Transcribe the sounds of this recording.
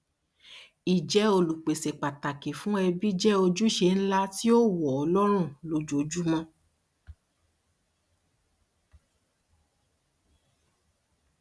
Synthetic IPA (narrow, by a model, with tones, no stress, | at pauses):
i˨d͡ʒɛ˨˦o˧lu˨k͡pe˨se˨k͡pa˨ta˨ke˨fũ˨˦ɛ˧bi˦d͡ʒɛ˦o˧d͡ʒu˦ʃe˧n̩˦la˦ti˦o˦wɔ˨ɔ˧lɔ˦ɾ̃ũ˦˨lo˨d͡ʒo˨d͡ʒu˦mɔ̃˧